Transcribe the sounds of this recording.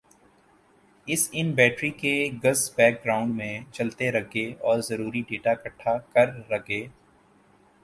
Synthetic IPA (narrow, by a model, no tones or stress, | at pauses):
ɪsɪnbɛːʈɾikeɡɐzbɛːk̚ɡɾaːʊ̃ɳɖmẽt͡ʃɐlt̪eɾɐɡeɔːɾzɐɾuːɾiɖeːʈakɐʈʰːakɐɾːɐɡeː